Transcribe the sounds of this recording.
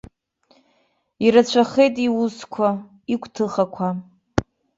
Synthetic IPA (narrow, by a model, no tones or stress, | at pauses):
iɾat͡ɕʷʰaχe̞jtʼiwuskʷʰa | ikʷʰʼtʰɨχakʷʰa